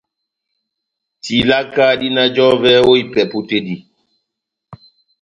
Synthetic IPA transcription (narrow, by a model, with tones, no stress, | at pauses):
ti˨la˦kaː˦di˦na˦d͡ʒɔ˦vɛ˦o˦i˦˨pɛ˨pu˦te˦di˨